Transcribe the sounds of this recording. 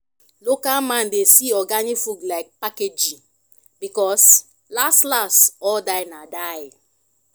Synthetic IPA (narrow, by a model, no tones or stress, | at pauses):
lokalmãndesiɔɡanifuɡlaɪk̚paked͡ʒi | bikɔs | lastlastɔldaɪnadaɪ